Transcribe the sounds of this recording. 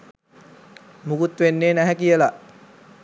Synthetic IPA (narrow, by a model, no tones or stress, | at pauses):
mukut̪ʋenːeːnæɦækijəlaʔ